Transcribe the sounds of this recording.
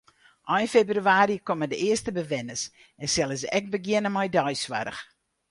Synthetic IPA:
ʔɔjfebryaːɾikomədəɪərstəbəʋɛnəs | ɛnsɛlˠəsɛk̚bəɡjɪnəmɔjdɔjsʋa̰ɾə̰x

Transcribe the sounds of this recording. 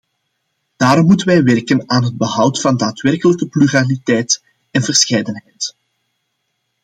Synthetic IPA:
d̥aːɾɔmːutənʋɛjʋɛrkənaːnɦəd̚bəɦʌwtfɑndaːtʋɛrkələkəplyralitɛjt | ɛnvərsxɛjdənɦɛjt

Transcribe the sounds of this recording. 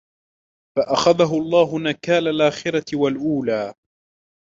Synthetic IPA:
faʔaxaðaɦʊʔɑlˤːɑːɦʊnakaːlalʔaːxɪɾatɪwalʔuːlaː

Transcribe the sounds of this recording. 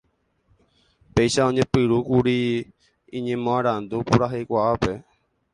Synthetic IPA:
pe̞jʃaõɲẽpɨɾukuɾi | ĩɲẽmõãɾand̪upuɾaɦejkʷaape

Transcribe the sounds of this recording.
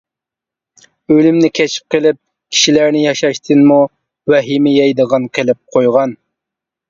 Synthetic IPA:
ølymnɪkʲʰɛt͡ʃʰi̥p̚qəlˠɪp̚ | kʲʰi̥ʃilæɾnɪjɑʃɑʃt̪ʰɨnmu | wɛɦimɪjɛjd̪əʁɑnqʰelɪp̚qʰojʁɑn

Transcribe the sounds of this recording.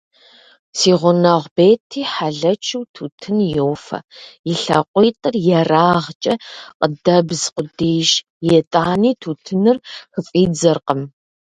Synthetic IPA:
siːʁʷʊnɐʁʷbeːtʰiːħaɮɐt͡ʃʰɨwtʰuːtʰɨnjowfɐ̰jɪɬɐ̰qʷʼijtʼɨrjɛraːʁt͡ʃʼɐqʼədɐbzqʷʊdeːjʃ | jɛtʼaːniːtʰuːtʰɨnɨrxɨfʼiːd͡zɐrqəm

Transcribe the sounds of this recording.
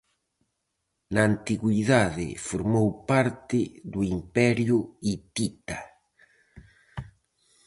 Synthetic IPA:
naːnt̪iɣwiðaðɪ̰foɾmowpaɾt̪ɪðuimpɛɾjʊit̪it̪a

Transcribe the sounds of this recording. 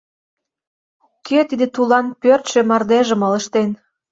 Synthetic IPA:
kʰet̪id̪ĕt̪ulɑnpørt̪ʃĕmɑrd̪eʒə̆mələ̆ʃt̪en

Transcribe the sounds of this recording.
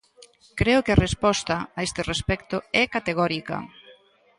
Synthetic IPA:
kɾeʊkɪarespɔst̪ɐaest̪ɪrespɛkt̪ʊɛkat̪eɣ̞ɔɾikɐ̰

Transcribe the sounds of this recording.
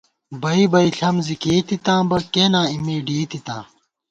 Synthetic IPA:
bɐibɐiɬɐmzikeːt̪it̪ãːbɐkeːnãːimiːɖiːt̪it̪ã̰ː

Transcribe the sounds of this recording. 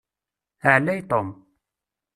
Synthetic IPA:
əʕlːæjt̪ˤom

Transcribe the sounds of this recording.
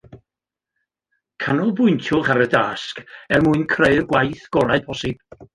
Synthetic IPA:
kʰanɔlˠbʊɨntʰʊχaɾədaskɛlmuɨnkʰreɨrɡwajθɡ̥ɔlˠad̚bʰɔsɪb̥

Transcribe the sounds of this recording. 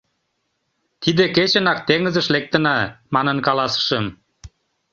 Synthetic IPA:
t̪id̪eket͡ɕənɑk̚t̪eŋə̆zə̆ʃlek̚t̪ə̆nɑmɑnənkɑlɑsə̥ʃəm

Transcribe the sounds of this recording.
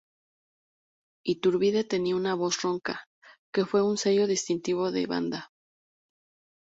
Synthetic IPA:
it̪uɾβiðe̞t̪e̞niaunaβo̞sro̞ŋka | ke̞fwe̞unse̞ʝo̞ðist̪int̪iβ̞o̞ðe̞̰βa̰nd̪a

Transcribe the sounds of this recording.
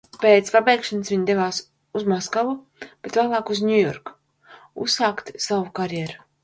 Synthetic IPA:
peːt̪spabʲɛjkʃansvʲiɲʲd̪evaːs | uzmaskavu | b̥et̪væːlˠaːkuznʲujɔɾkḁ | ṵsːaːkt̪savukaɾjɛɾu

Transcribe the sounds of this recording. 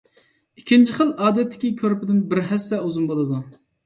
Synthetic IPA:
ikʲːint͡ʃʰiχəlˠɑːd̪ɛt̪ːɪ̥kʲikʲʰøɾpɪd̪ɪnbɪɾɦɛsːɛuzunmbolˠɨd̪u

